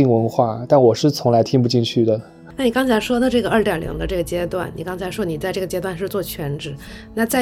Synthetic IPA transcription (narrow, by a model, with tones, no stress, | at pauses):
i˥˩ŋwə˧˥nxwa˥˩t̪a˥˩nwɔ˨˩ʂɻ̩˥˩t͡sʰʊ˧˥ŋla˧˥ɪt̪ʰi˥ŋp̬u˧t͡ɕi˥˧t͡ɕʰy˥˩d̪ə˩ | na˥˩ni˨˩kɑ˥ŋt͡sʰa˧˥ɪʂwɔ˥d̪ə˨˧ʈ͡ʂɤ˥˩ɡə˩ə˞˥˩t̪jɑ˨˩lḭ˧˥ŋd̪ə˧ʈ͡ʂɤ˥˩ɡə˩t͡ɕjɛ˥t̪wa˥˩nni˨˩kɑ˥ŋt͡sʰɪʂwɔ˥ni˨˩t͡sa˥˧ʈ͡ʂɤ˥˩ɡə˩t͡ɕjɛ˥t̪wa˥˧nʂɻ̩˥˧t͡swɔ˥˩t͡ɕʰɥɛ˧˥nʈ͡ʂɻ̩˨˩˦na˥˧t͡sa˥˩